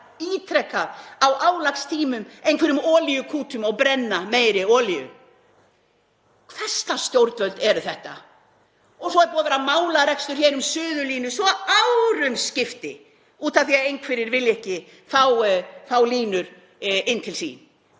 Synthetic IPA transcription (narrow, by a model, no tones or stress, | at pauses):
iːt̪ʰɾɛkːaðawʔaːwlakst̪ʰiːmʏmejnkvɛɾʏmɔːlijʏkʰuːt̪ʰʏmawpɾɛnːameːjɾɪɔːlijʏ̰ | kʰvɛr̥st̪ast̪jowɾt̪vœlt̪ɛɾʏθɛht̪a̰ | ɔsɔɛɾpuːavɛːɾamaːwlaɾɛkst̪ʏɾ̥çɛːɾʏmsʏːðʏliːnʏsvɔawɾʏmscɪft̪ɪ̰ | uːt̪amθiaðejnkʰvɪɾɪɾvɪlːɪɛhcɪ | θawθaːwliːnʏɾ̥ | ɪnːt̪ʰɪlsḭːn